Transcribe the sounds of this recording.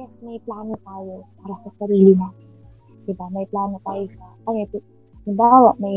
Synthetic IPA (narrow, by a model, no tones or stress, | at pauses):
ɛsmɐjplaːnot̪aːjo̞paːɾɐsɐsɐɾiːlɪnaːt̪ɪn | d̪ɪbamɐjplaːno̞t̪aːjosɐpanɛp̪ | mɪbaːwɐʔmɐj